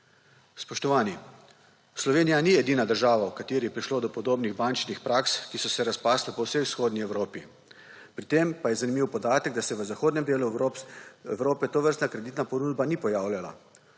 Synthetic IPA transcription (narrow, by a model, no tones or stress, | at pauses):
spɔʃt̪ɔʋaːni | slɔʋeːnijaniɛd̪iːnad̪əɾʒaːʋawkat̪eːɾijɛpɾiʃloːd̪ɔpɔd̪oːbniɣbant͡ʃnixpɾaːkskisɔsɛɾaspaːslɛpɔwsejwsxoːd̪niɛwɾoːpi | pɾit̪eːmpajɛzanimiwpɔd̪aːt̪əɡ̚d̪asɛʋəzaxoːd̪nɛmd̪eːlu | ɛwɾoːpɛt̪oʋəɾst̪nakɾɛd̪it̪napɔnuːd̪banipɔjaːwlʲjala̰